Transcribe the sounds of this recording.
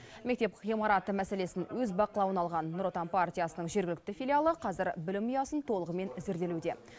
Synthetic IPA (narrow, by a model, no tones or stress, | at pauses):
mekt̪e̞pʁijmɑɾat̪əmæse̞le̞sɪnwɵzbɑqəlˠɑwənɑlˠʁɑnːʊɾo̞t̪anpart̪ʲijasənəɴʒe̞ɾɡʲɪlʲɪk̚t̪ɪfʲijlʲijalˠəqʰɑzɪɾbɪlɪmijɑsənt̪ʰo̞lˠəʁəme̞nzeɾd̪e̞lud̪e̞